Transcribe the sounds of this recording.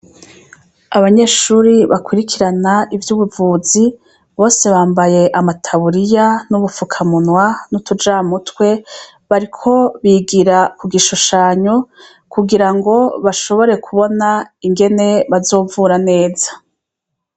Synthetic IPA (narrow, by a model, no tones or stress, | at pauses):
aβaɲe̞ʃuːɾiβa̰kwiɾikʰiɾanaʔivjuβuvuːzi | βo̞ːse̞βaːmbaje̞ʔamatʰaβuɾijanuβufukʰamunwanutud͡ʒaːmutwe̞ | βaɾikʰo̞βiɡiɾakuɡiʃuʃaːɲo̞ | kuɡiɾaŋɡo̞βaʃo̞βo̞ɾe̞kuβo̞naiŋɡe̞ne̞βazo̞ːvuɾane̞ːzḁ